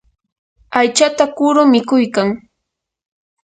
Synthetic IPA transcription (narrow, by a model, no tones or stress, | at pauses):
ajt͡ʃat̪akʊɾʊmɪkʊjkaŋ